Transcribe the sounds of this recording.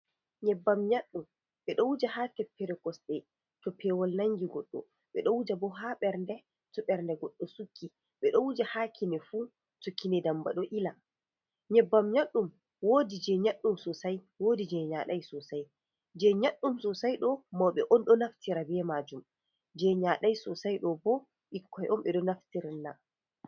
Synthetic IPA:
ɲɛbːamɲaɗːum | ɓɛɗɔwud͡ʒahaːtɛpːɛɾɛkɔsɗɛ | tɔpʰɛːwɔlnaŋɡiɡɔɗːɔ̰ | ɓɛɗɔwud͡ʒabɔɦaɓɛɾndɛ | tɔɓɛɾndɛɡɔɗːɔsukʰːi | ɓɛɗɔwud͡ʒahakʰinɛfu | tukːinɛdamba̰ɗɔʔila | ɲɛbːamɲaɗːum | wodid͡ʒɛɲaɗːumsɔsaj | woːdid͡ʒɛɲaɗajsɔsaj | d͡ʒɛɲaɗːumsɔsajɗɔmawɓɛʔɔnɗɔnaftiɾabɛmad͡ʒum | d͡ʒɛɲaɗajsɔsajɗɔbɔ | ɓikːɔjɔnɓɛɗɔnaftiɾanːa

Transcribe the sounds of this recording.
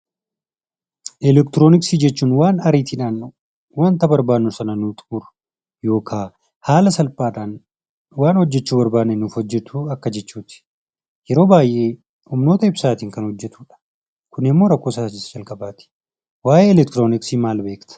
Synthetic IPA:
ʔɛlɛkt̪ɪɾo̞ːnɪksiːd͡ʒɛt͡ʃːuːnwaːnɐɾiːt̪inaːnʊ | want̪ɐbɐɾbaːnːʊsɐnɐnut̪ʼuɾʊ̥ | jo̞ːkʰaː | haːlɐsɐlpaːᶑaːn | waːnhɔd͡ʒːɛt͡ʃːuːbɐɾbaːnenːʊfhɔd͡ʒːɛt̪ʰuːɐkːɐd͡ʒɛt͡ʃːuːt̪ɪ̥ | jɛɾo̞ːbaːjʔe̞ː | hʊmno̞ːt̪ɐɪbsaːt̪iːŋkɐnhɔd͡ʒːɛt̪uːᶑɐ̥ | kʊnɪmːo̞ːɾɐkːo̞ːsaːd͡ʒɪsd͡ʒɐlkʼɐbaːt̪ɪ̥ | waːjeːlɛk̚t̪ɪɾo̞ːnɪksiːmaːlbe̞ːkt̪ɐ̥

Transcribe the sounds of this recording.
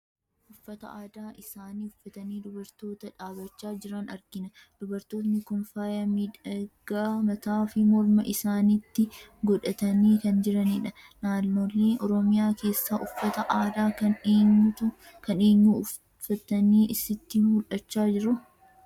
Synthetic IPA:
ʔʊfːɐt̪ɐ̰aːd̪aːʔɪsaːniːʊfːɐt̪ɐniːd̪ʊbɐɾt̪o̞ːt̪ɐᶑaːbɐt͡ʃːaːd͡ʒɪɾɐnɐ̰ɾɡɪnɐd̪̥ʊbɐɾt̪o̞ːt̪nɪkɔnfaːjɐmiᶑɐɡ̥aːmɐt̪aːfɪmɔɾmɐʔɪsaːniːt̪ːɪɡɔᶑɐt̪ɐniːkɐnd͡ʒɪɾɐnɪᶑɐ | naːnːo̞ːlːe̞ːʔɔɾɔmɪjaːke̞ːsːaːʔʊfːɐt̪ɐʔaːd̪aːkɐneːɲt̪ʊ | kɐneːɲːu | fɐt̪ɐniːʔɪsɪt̪ːɪmʊlʔɐt͡ʃːaːd͡ʒɪɾʊ

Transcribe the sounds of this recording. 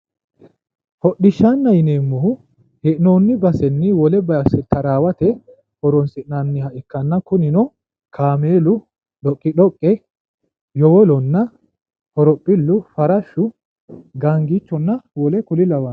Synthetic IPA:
hɔɗːɪʃːanːɐjɪneːmːɔhʊ | hɛʔnoːnːɪbɐsɛnːɪwɔlɛbɐsɛt̪ɐɾaːwɐt̪ɛ | hɔɾɔnsɪʔnanːɪhɐʔɪkːɐnːɐkʊnɪnɔ | kʰaːme̞ːlʊ | ɗɔkʼːɪɗɔkʼːɛ | jɔwɔlɔnːɐ | hɔɾɔpʼːɪlːʊfɐɾɐʃːʊ | ɡaŋɡit͡ʃːɔnːɐwɔlɛkʊlɪlɐwɐn

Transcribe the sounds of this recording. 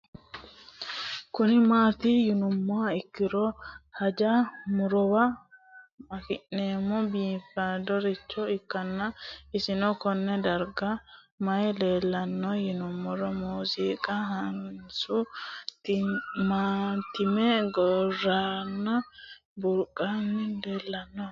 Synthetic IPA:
kʊnɪmaːt̪ijʊnʊmːɔaɪkːɪɾɔhɐd͡ʒamʊɾɔwa | mɐkɪʔːeːmɔbiːfadɔɾit͡ʃːɔɪkːɐnːaɪsɪnɔkɔnːɛd̪ɐɾɡɐ | mɐjle̞ːlːɐnːɔjɪnʊmːɔɾɔmuːziːkʼɐhɐnʊnsʊ | mat̪ɪmɛɡɔraːnːɐ | bʊɾkʼːanːɪle̞ːlːɐnːɔ

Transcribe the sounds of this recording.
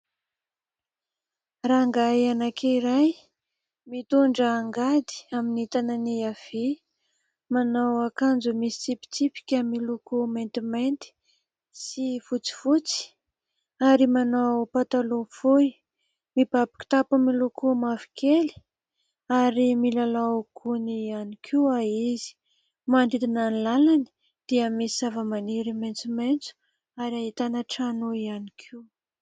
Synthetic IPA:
raŋɡajanakʰeiɾaj | mit̪uɳɖ͡ʐəːŋɡad̪i̥aminit̪ananiav̥e | manawakand͡zumisi̥t͡sipi̥t͡sipi̥kʲamilukument̪imajnt̪i̥ | sifut͡si̥fut͡si̥ | aɾimanawpat̪aluvui | mibabi̥ki̥t̪apumilukʰumavi̥keli̥ | aɾimilalakʰunianikʰiaizi̥ | manɖ͡ʐid̪inanilalani̥ | d̪̥iəmisizavəmaniɾiment͡siment͡su̥ | aɾiait̪anəʈ͡ʂanuianikʰiw

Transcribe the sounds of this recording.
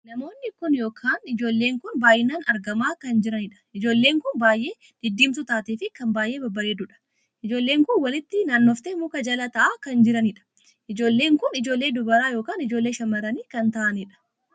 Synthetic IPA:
nɐmo̞ːnːɪkʊnjo̞ːkʰaːnɪd͡ʒo̞ːlːe̞ːŋkʊnbaːjʔɪnaːnɐɾɡɐmaːkɐnd͡ʒɪɾɐnɪᶑɐ̥ɪd͡ʒo̞ːlːeːŋkʊnbaːjʔe̞ː | d̪̥ɪd̪ːiːmt̪ʊt̪aːt̪iːfɪkɐmbaːjʔe̞ːbɐbːɐɾeːd̪ʊᶑɐ̥ | ʔɪd͡ʒo̞ːlːe̞ːŋkʊnwɐlɪt̪ːɪnaːnːɔft̪eːmʊːkɐd͡ʒɐlɐt̪ɐʔaːkɐnd͡ʒɪɾɐnɪᶑɐ̥ | ʔɪd͡ʒo̞ːlːe̞ːŋkʊnɪd͡ʒo̞ːlːe̞ːd̪ʊbɐɾaːjo̞ːkaːnɪd͡ʒoːlːe̞ːʃɐmɐɾɐniːkɐnt̪ɐʔɐnɪᶑɐ̥

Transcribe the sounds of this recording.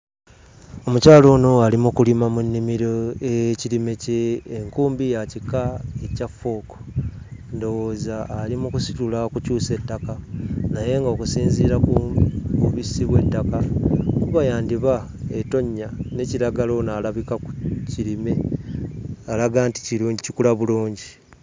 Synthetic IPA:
o̞mucaːlo̞ːno̞alimukulimamunːimiɾoeciɾime̞ceːŋkuːmbijacikːaecafo̞ːko̥ | ndo̞woːzaːlimukusi̥tulakucuːse̞tːakanaje̞ŋɡokusiːnziːɾakuuβisiβwe̞tːakakuβajaːndiβa | eto̞ɲːane̞ciɾaɡalo̞naːlaβikakuciɾime̞ | alaɡaːnti̥ciɾuːɲɟicikulaβuluːɲɟi

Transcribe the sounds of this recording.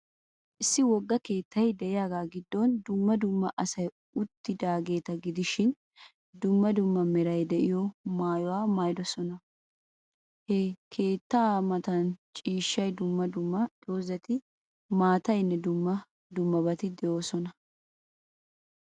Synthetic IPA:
ʔɪsːɪwɔɡːɐke̞ːt̪ːɐjd̪ɛʔɪjaːɡaːɡɪd̪ːɔnd̪ʊmːɐd̪ʊmːɐʔɐsɐj | ʊt̪ːɪd̪aːɡe̞ːt̪ɐɡɪd̪ɪʃɪn | d̪ʊmːɐd̪ʊmːɐmɛɾɐjd̪ɛʔɪjɔmaːjɔwaːmaːjd̪ɔsɔnɐ | hekʰe̞ːt̪ːɐmɐt̪ɐnt͡ʃʼiːʃːɐjd̪ʊmːɐd̪ʊmːɐd̪̥oːzɛt̪ɪ | maːt̪ɐjnːɛd̪ʊmːɐ | d̪ʊmːɐbɐt̪ɪd̪ɛjoːsɔnɐ

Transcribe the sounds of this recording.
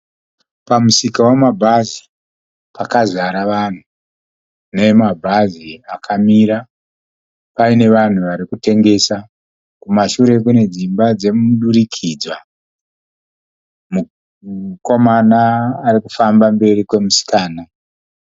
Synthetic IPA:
pamusikawamabʱazi | pʰakazʷaɾaʋan̤u | nemabʱaziakʰamiɾa | paine̞ʋan̤uʋaɾikute̞ŋɡe̞sa | kumaʃuɾe̞kune̞d͡zimbad͡ze̞muɗurikʰid͡zwa | mu | ko̞manaːriku̥fambambe̞rikwe̞musi̥kaːna

